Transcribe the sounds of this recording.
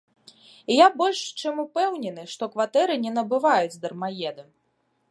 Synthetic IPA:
jabɔlʲʂt͡ʂɨmupɛwnʲɛnɨʂt̪ɔkvat̪ɛɾɨnʲɛnɐbɨvajud͡zʲd̪ɐrmajɛd̪ɨ

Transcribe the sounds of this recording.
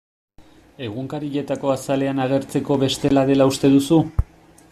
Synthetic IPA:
e̞ɣuŋkaɾiʎe̞t̪ako̞asale̞anaɣe̞ɾt͡se̞ko̞βe̞st̪e̞laðe̞laust̪e̞ðusu

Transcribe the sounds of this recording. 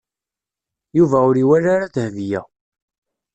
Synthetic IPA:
juvæʊɾiwæɾaɾaðhvjæ̰

